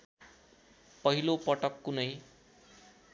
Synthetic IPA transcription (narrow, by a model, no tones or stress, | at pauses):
pʌɦilopʌʈʌkːunʌj